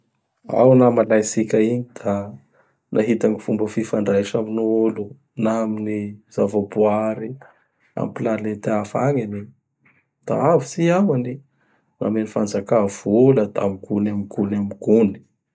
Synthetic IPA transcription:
a̰wnamalajsikʲəiɲid̪̥a | nʔaɦit̪aŋifumbəfifaɳɖ͡ʐajʈ͡ʂaminuulu | naminiz̥avabuaɾi | a̰mpilanet̪eafaŋani | d̪̥a̰avit͡siamani | na̰menifand͡zakav̥uləd̪amiɡunamiɡunamiɡ̥uni̥

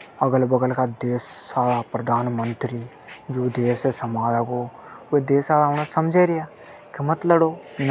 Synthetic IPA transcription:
əɡəlbəɡəlkad̪eːsːaːɾapɾəd̪ʱaːnmə̃nt̪ɾi | d͡ʒoːd̪eːsesəmaːd̪akoː | ʋed̪eːsaːlaʊnasəmd͡ʒʱeɾɪjaː | kɪmət̪ləɽoːɪn

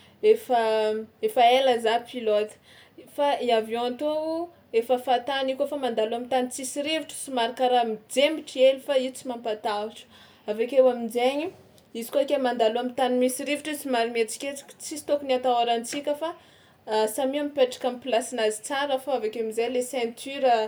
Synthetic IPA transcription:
efəefaeləzapilot̪ | faiavõat̪ou | efəfat̪anikʲofamand̪aluamit̪ant͡sisiɾiviʈ͡ʂə̥t͡simaɾakaɾamid͡zembiʈ͡ʂielifait͡simampat̪auʈ͡ʂə̥ | avekʲewamind͡zeɲi | izi̥kokemand̪aluamit̪animisiɾivuʈ͡ʂit͡simaɾimet͡si̥kʲet͡si̥kʲt͡sisi̥t̪okuniat̪awaɾant͡sikʲəfa | samiamipeʈ͡ʂḁkamplasinazi̥t͡saɾəfaavakʲeamizajlesɛ̃nt̪ʰyɾə

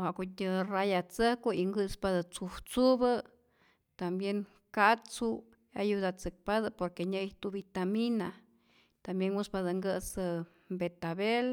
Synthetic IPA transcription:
ohaʔkotʲərajat͡səhkuiŋɡɨspaðɨt͡suwt͡suβə | t̪ambjeŋ | kat͡su | a̰jud̪at͡sɨk̚paðɨpoɾkeɲaiht̪ubit̪amina | t̪ambjenwuspad̪əŋɡəsə | mbet̪aβel

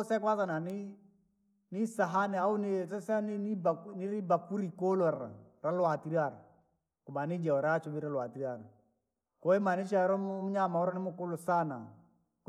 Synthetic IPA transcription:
sɛkwasananɪ | nɪsaɦanɛaʊnɪsɛsɛnɪnɪbanɪɾɪbakuɾikolɔɾa̰ɾalwatiɾaɾ | kʊbanɪd͡ʒɛɔɾat͡ʃɔbɪɾalwatiɾaɾ | kɔɪmanɪt͡ʃaɾɔmmɲamaɔɾɔnɪmʊkʊlosana̰ | k

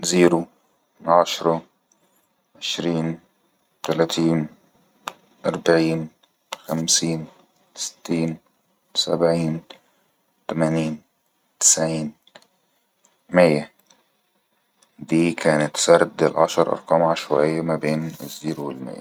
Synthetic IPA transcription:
ziːɾu | ʕɑʃɾˤɑ | ʕeʃɾiːn | t̪ælæːt̪ʰiːn | ʔɑɾˤbaʕiːn | xæmsiːn | sɪ̥t̪ːiːn | sæ̰bʕiːn | t̪æmæːniːn | t̪ɪ̥sʕiːn | mɪjːæ | d̪iːkʰæːnɪt̪sæɾˤd̪ɪlʕɑ̰ʃɑɾˤʔɑ̰ɾˤqɑːmʕaʃwæʔɪjːæmæbeːnɪ̰zːiːɾwelmɪ̰jːæ̰

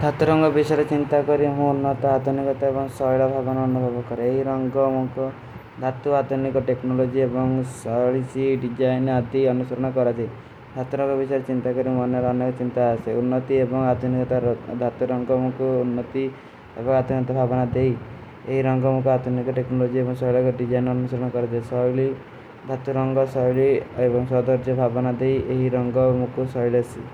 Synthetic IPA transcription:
d̪ʱat̪uɾɔŋɡɔbisɔɾet͡ʃint̪akɔɾiɦũunːɔt̪aad̪ʱunikɔt̪aebɔŋsɔjɭɔbʱabɔnaːnubʱɔbɔkɔɾeeɦiɾɔŋɡɔmũku | d̪ʱat̪uad̪ʱunikɔʈeknolod͡ʒiebɔŋsɔɭisiɖid͡ʒajnad̪iɔnusɔɾɔɽ̃ɔkɔɾad͡ʒ̪ʰi | d̪ʱat̪uɾɔ̃ŋɡɔbʱisɔjɾet͡ʃint̪akɔɾimɔnːeɾanɔkɔt͡ʃint̪aːseunːɔt̪iebɔŋad̪ʱunikɔt̪aɾd̪ʱat̪uɾɔŋɡɔmukʰuunːɔt̪i | ḛbɔŋad̪ʱunikɔt̪abʱabɔnad̪ej | eɦiɾɔŋɡɔmukɔad̪ʱunikɔʈeknɔlod͡ʒiebɔŋsɔɭɔɡɔɖid͡ʒajnɔnusɔɾɔɽ̃ɔkɔɾad͡ʒasɔli | d̪ʱat̪uɾɔŋɡɔsɔjɭiebɔŋsɔd̪ɔɾd͡ʒɔbʱabɔnad̪ejeɦiɾɔŋɡɔmukusɔɭɔsi

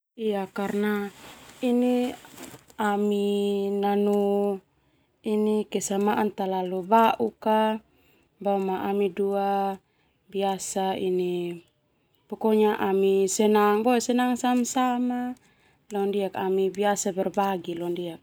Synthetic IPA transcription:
iakarnaini | aminanu | inikɛsamaʔant̪alalubaʔuka | baumaʔamidua | biasaini | pɔkɔɲaʔamisɛnaŋbɔɛsɛnaŋsamsama | lɔndiakamibiasabɛrbaɡilɔndiak̚

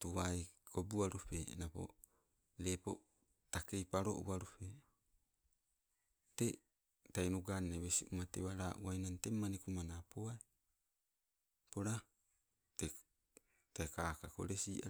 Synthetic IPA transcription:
tuaikobuaɾupenapo̰ | lepo̰ | takejpaɾo̰ʔṵaɾupe | te | tainuɡanːeβesiʔumatewaɾaʔuwajnantemːanikumanapoae | poɾa | te | takakako̰ɾesia̰

